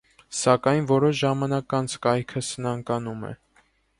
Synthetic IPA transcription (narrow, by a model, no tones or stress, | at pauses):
sɑkɑjnvɔɾɔʃʒɑmɑnɑkɑnt͡sʰkɑjkʰəsənɑŋkɑnumɛ̰